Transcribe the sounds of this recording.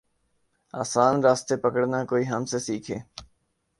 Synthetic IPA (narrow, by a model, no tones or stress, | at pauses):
aːsaːnɾaːst̪eːpəkəɽnãːkoːiːɦəmseːsiːkʰḛː